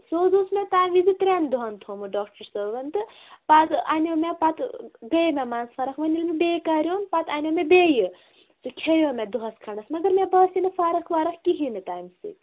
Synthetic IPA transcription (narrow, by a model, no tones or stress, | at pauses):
sozoːsmet̪aːmizit̪ɾʲand̪uɦɐnt̪ʰomuɖɔːkʈɐɾsɐʋɐnt̪ɨ | pat̪anʲomʲepat̪ɡɐjmʲamaːnspʰɐɾɐkʰʋɐnʲilmebekaɾʲoːnpat̪aːnʲjomebeːjɨ | sukʲʰejoːmed̪uɦɐskʰɐɳɐsmɐɡɐɾmebɐːsinɨfʰaɾɐkʰʋaɾɐkkiɦinɨt̪aːmisḭ